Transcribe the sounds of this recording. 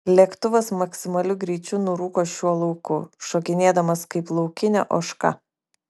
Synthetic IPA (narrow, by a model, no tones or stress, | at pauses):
lʲɛkt̪ʊʋɐsmɐksʲɪmɐlʲʊɡɾʲiːt͡ʃʲʊnʊɾuːkoːʃʲuɔlˠɐʊkʊʃoːkʲɪnʲeːd̪ɐmɐskɐɪplˠɒʊkʲɪnʲɛ̰ʔoːʃkɑ̰